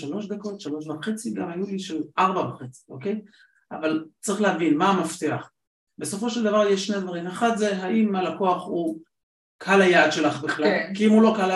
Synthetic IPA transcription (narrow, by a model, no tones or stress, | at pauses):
ʃalo̞ʃd̪ako̞t̪ʃalo̞ʃvaχe̞t͡siɡamajuliʃeʔaʁbabaχet͡si̥ʔo̞̰ke̞j | avalt͡sʁiχleɦavinmaːmaft̪eaχ | be̞so̞fo̞ʃeld̪avaʁjeʃːne̞d̪vaʁimaχat̪ze̞ɦaʔimalako̞aχu | kʰalajaːd̪ʃe̞laχbiχlalkiimulo̞kala